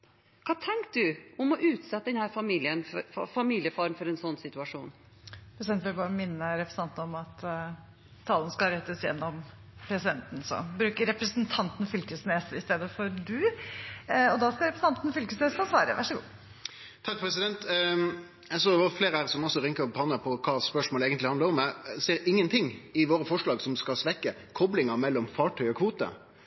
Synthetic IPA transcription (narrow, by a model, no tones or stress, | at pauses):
kʰɑːt̪ʰɛŋkt̪̚d̪ʉʊmɔʔʉːt̪sɛt̪ːəd̪ɛnhæːɾfɑmiːlɪənfɔfɑmiːlɪəfɑːɾən̩fɔɾɛnsɔnːsɪt̪ʉɑʂuːn | pɾɛsɪd̪ɛnt̪ʋɪlbɑːɾəmɪnːəɾɛpɾəsɑnt̪nəɔmɑt̪ | t̪ʰːɑːlnəskɑɾɛt̪ːəsjɛ̰nːɔm | pʰɾɛsɪd̪ɛnt̪n̩sɔ̰bɾʉːkəɾɛpɾəsənt̪ʰɑnt̪nfʏlkəsneːsəɪst̪eːd̪əfɔɾd̪ʉ | ɔd̪ɑskɑɾɛpɾəsɑnt̪nfʏlkəsneːsɔsʋɑːɾə̰ʋʔæ̰ʂəɡṵː | t̪ʰɑk̚pʰɾɛsɪd̪ɛnt̪ | ɛɡs̬oːd̪ɛʋɑːfleːɾəhæːʁsɔmɔsɔɾɪŋkəpʰɑnːəpʰɔkʰɑːspœʂmoːeːɡənɪhɑnd̪əɾɔmɛseːɾɪŋːənt̪ʰɪŋɪʋoːɾəfɔʂɭɑːɡsɔmskɑlsʋɛkːə | kʰɔblɪŋɑmɛlːɔmfɑːʈʰœʏɔkʰʋuːt̪ə̰